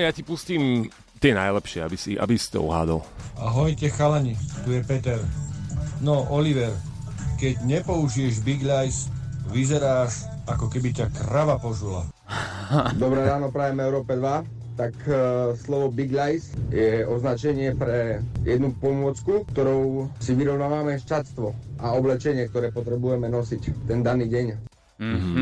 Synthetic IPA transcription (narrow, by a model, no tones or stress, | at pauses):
jacipusciːm | t̪ɛjɛnajlɛpʃɪɛabisiʔa̰bisi̥t̪ɔ̰ɔ̰ɦa̰ːd̪ɔ̰laɦɔjcɛxalaɲit̪ujɛpɛt̪ɛɾ | nɔʔɔliʋɛɾ | kɛɟɲɛpɔuʒijɛʒbiɡʎajsʋizɛɾaːʃ | akɔkɛbicakɾaʋapɔʒula̰ | d̪ɔbɾɛːɾaːnɔpɾajɛmɛʊɾɔːpɛd̪ʋa | t̪akslɔʋɔbiɡʎajsjɛʔɔznat͡ʃɛɲɪɛpɾɛjɛd̪nupɔmʊɔt͡skuk̚t̪ɔɾɔʊsiʋiɾɔʋʊnaːʋamɛʃt͡ʃast̪ʋɔʔaɔblɛt͡ʃɛɲɪɛk̚t̪ɔɾɛːpɔt̪ɾɛbujɛmɛnɔsict̪ɛnd̪aniːɟɛɲ